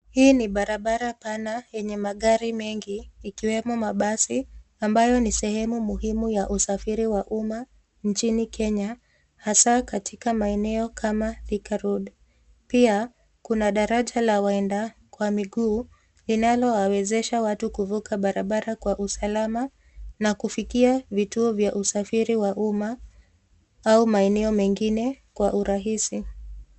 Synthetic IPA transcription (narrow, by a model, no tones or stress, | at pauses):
hiːniɓaɾaɓaɾapanajɛɲɛmaɠaɾimɛŋɡiːkiwɛmɔmaɓasiambajɔnisɛhɛmumuhimujaʔusafiɾiwaʔuma | nt͡ʃinikʰɛɲa | hasakatʰikamaɛnɛɔkʰamaðikaɾuɗ | pia | kunaɗaɾaʄalawaɛndakwamiɠuː | linalɔwawɛzɛʃawatukuvukaɓaɾaɓaɾakwaʔusalama | nakufikiavituɔvjaʔusafiɾiwaʔuma | aumaɛnɛɔmɛŋɡinɛkwaʔuɾaɦisi